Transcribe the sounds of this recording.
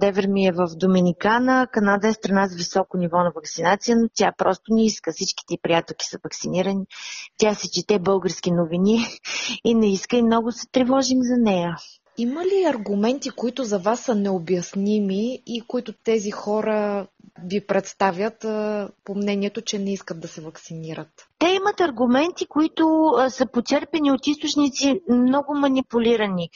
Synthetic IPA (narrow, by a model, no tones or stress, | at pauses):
d̪ɛvɛɾmiɛvəfd̪ominikanəkɐnad̪əɛst̪ɾɐnazɐvisɔkonivɔnɐvɐksinat̪sijənot̪ʲjapɾɔst̪ʊnɛiskəfsit͡ʃki̥t̪ɛipɾijat̪ɛlˠki̥səvɐksiniɾənit̪ʲasɛt͡ʃit̪ɛbɤlˠɡəɾsk̟ʲinoviniː | nɛiskəimnɔɡʊsɛt̪ɾɛvɔʒimzɐnɛjə | iməliɐɾɡʊmɛnt̪ikoit̪ʊzɐvasːənɛobjɐsnimiikoit̪ʊt̪ɛzixɔɾəvipɾɛt̪st̪avʲjət̪ːpomnɛniɛt̪ʊt͡ʃɛnɛiskət̪̚d̪ɐsɛvɐksiniɾət̪t̪ɛimət̪ɐɾɡʊmɛnt̪ikoit̪ʊsəpot͡ʃ̪ɛɾpɛniot̪ist̪ʊt͡ʃnit̪simnɔɡʊmɐnipʊlʲiɾəni